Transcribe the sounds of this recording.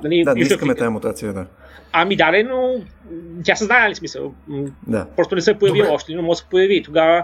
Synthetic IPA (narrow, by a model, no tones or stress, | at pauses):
nɐlid̪aiiəkkmɛt̪ajamut̪at̪siəd̪a | ɐmid̪alɛno | t̪jasɛznajlʲismisə̰lˠd̪a̰pɾɔst̪onɛsɛpojɐviɔʃt̪ɛninomɔɡsɛpojɐvit̪oɡavə